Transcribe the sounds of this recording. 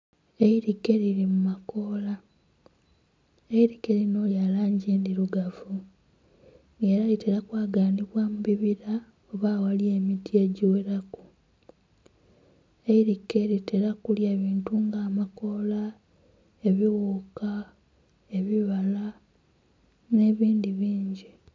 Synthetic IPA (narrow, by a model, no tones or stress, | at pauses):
e̞iɾikːe̞ɾiɾimumako̞ːla | eiɾikːeɾino̞ljalaːɲɟeːndiɾuɡavu | ŋɡe̞ːɾaliteɾakwaːɡaːniβwamuβiβiɾa | oβaːwalie̞ːmitie̞ɟiwe̞ɾaku | eiɾike̞ɾiteɾakuljeːβiːntuŋɡaːmako̞la | e̞βiwuːka | e̞βiβala | ne̞ːβiːndiβiːɲɟi